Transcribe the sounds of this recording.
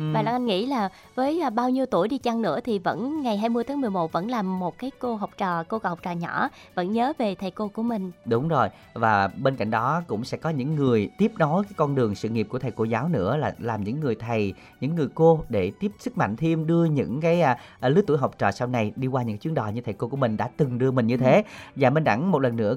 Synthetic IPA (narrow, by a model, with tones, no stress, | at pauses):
vaː˨˩la˧˩ŋʔa˧ŋŋḭ˧˥laː˨˩ | vəː˨˦jɓaː˧wɲi˧əwt̪u˧˩əjɗi˧t͡ɕa˧ŋnɨ̰˧˥ət̪ʰi˨˩və̰˧˥nŋa˨˩jɦaː˧jmɨ˧jt̪ʰaː˨˦ŋmɨ˨˩əjmo˨˩t̚və̰˧˥nlaː˨˩mːo˨˩t̚kaː˨˦jko˧ɦa˨˩wk͡p̚t͡ɕɔː˧˨˩ko˧khwk͡p̚t͡ɕɔ̰ː˨˩ɲɔ̰˧˥ | və̰˧˥nɲəː˨˦ve˨˩t̪ʰə˨˩jko˧ku˧˩əmï˨˩ŋ̟ɗʊ˨˦ŋ͡mzo˨˩j | vaː˨˩ɓe˧nka̰˧˨jŋ̟ɗɔ˨˦kʊ̰˧˥ŋ͡msɛ̰˧˥kɔ˨˦ɲɨ̰˧˥ŋːɨ˨˩əjt̪i˦˥əp̚nɔ˨˦jkaː˨˦jkɔ˧nɗɨ˨˩əŋsɨ̰˧˨ŋi˨˩p̚ku˧˩əa˨˩jko˧˩zaː˨˦wnɨ̰˧˥əlaː˨˩laː˨˩mɲɨ̰˧˥ŋːɨ˨˩əjt̪ʰə˨˩j | ɲɨ̰˧˥ŋːɨ˨˩əjko˧ɗe˧˩t̪i˦˥əp̚sɨ˦˥k̚ma̰˧˨ŋ̟t̪ʰi˧mɗɨ˧əɲɨ̰˧˥ŋkaː˨˦j | lɨ˨˦˥t̪u˧˥˦jɦɔ˨˩wk͡p̚t͡ɕɔ̰ː˨˩sa˧wna˨˧˩jɗi˧kwaː˧ɲɨ̰˧˥kːa˦t͡ɕwi˦ənɗɔ̰˨˩jɲɨ˧t̪ʰə˨˩jko˧ku˧˩əmï˨˩ŋ̟ɗa̰ː˧˥t̪ɨ˨˩ŋɗɨ˧əmï̟˨˩ɲɨ˧t̪ʰe˨˦vaː˨˩ɓe˧nɗa̰˧˥ŋmo˨˩t̚lə˨˩nːɨ̰˧˥ə